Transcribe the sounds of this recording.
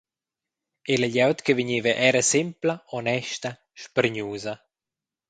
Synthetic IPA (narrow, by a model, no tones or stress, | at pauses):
eləʎawt̪kəviɲiːvəʔɛɾəsɪmpləɔnɛʃt̪ɐ | ʃpəɾɲuːzɐ